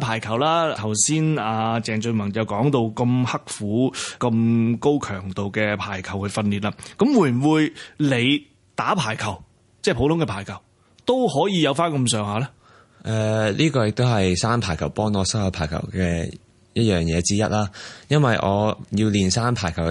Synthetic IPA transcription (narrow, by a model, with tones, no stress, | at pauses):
pʰaː˨˩jkʰɐ˨˩wlaː˥t̪ʰɐ˨˩wsiː˥naː˧t͡sɛː˨ŋt͡sɵ˧mɐ˨˩ŋt͡sɐ˨wkɔː˨˥ŋt̪o˧wkɐ˧mhɐ˥k̚fuː˨˥kɐ˧mko˥wkʰœː˨˩ŋt̪o˨wkɛː˧pʰaː˨˩jkʰɐ˨˩whɵ˨˧fɐ˧nliː˨t̚laː˧kɐ˨˥mwuː˨˩jm̩˨˩wuː˨˧jle˨˧j | t̪aː˨˥pʰaː˨˩jkʰɐ˨˩w | t͡sɛː˥˩pʰo˨˥wt̪ʊ˨˥ŋkɛ˧pʰaː˨˩jkʰɐ˨˩w | t̪o˥whɔː˨˥jiː˨˧jɐ˨˧wfaː˥nkɐ˧msœː˨˧ŋɦaː˨˧lɛ˥ | ʔɛː˨˧liː˥kɔː˧jɪ˨k̚t̪o˥ɦɐ˨jsaː˥mpʰaː˨˩jkʰɐ˨˩wpɔː˥ŋɔː˨˧sɐ˥waː˧pʰaː˨˩jkʰɐ̰˨˩wkɛː˧ | jɐ˥t̚jœː˨˩ŋjɛː˨˧t͡siː˥jɐ̰˥t̚laː˥jɐ˥nwɐ˨jʔɔ̰ː˨˧jiː˧wliː˨nsaː˥npʰaː˨˩jkʰɐ˨˩